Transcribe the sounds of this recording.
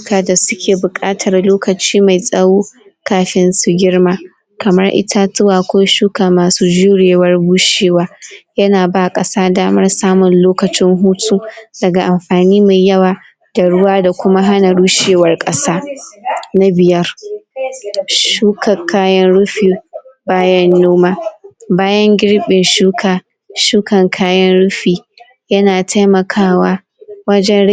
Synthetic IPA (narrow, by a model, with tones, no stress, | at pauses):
kaː˨da˨sʊ˦kʲʰeː˨bʊ˨kʼaː˦tʰɐ˨rloː˦kɐ˨t͡ʃiː˦ma˨jsʼɐ˦wuː˦ | kaː˨ɸɪ˦nsu˦ɡʲɪ˦rmaː˦ | kɐ˨mɐ˦rʔɪ̰˦tʰa˦tʊ˦waː˨kʷoː˦ʃuː˦kaː˨maː˨suː˦d͡ʒuː˦ɽeː˨wɐ˦rbu˦ʃeː˦waː˦jɐ˦naː˨baː˦˨kʼɐ˦saː˦daː˦mɐ˦rsaː˦mʊ˨nloː˦kɐ˨t͡ʃɪ˦ŋɦuː˦tʰʼuː˦d̥ɐ˨ɡa˨ʔa˨mɸaː˨niː˦ma˨jjɐ˦waː˨ | d̥a˨ɽʊ˦waː˦da˨kʷʊ˦ma˦ɦa˦na˨ɽuː˦ʃeː˨wɐ˦rkʼɐ˦saː˦ | na˦bɪ˨jɐ˦r | ʃuː˦kɐ˨kʰaː˦jɐ˦nɽʊ˦ɸiː˨baː˦jɐ˦nːoː˦maː˦baː˦jɐ˦ŋɡʲɪ˦ɽɓɪ˨nʃuː˦kʰaː˨ | ʃuː˦kɐ˨ŋkʰaː˦jɐ˦nɽʊ˦ɸiː˨ | jɐ˦naː˨tʰa˦jmɐ˨kʰaː˦waː˦ | wɐ˦d͡ʒɛ˦n˦